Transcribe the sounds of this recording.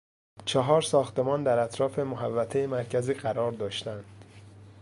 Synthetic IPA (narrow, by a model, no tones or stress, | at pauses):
t͡ʃʰeɦɒːɾsɒːxt̪e̞mɒːnd̪æɾæt̪ʰɾɒːfe̞moɦævːæt̪ʰejemæɾcʰæziːɢæɾɒːɾd̪ɒːʃt̪ænd̪̥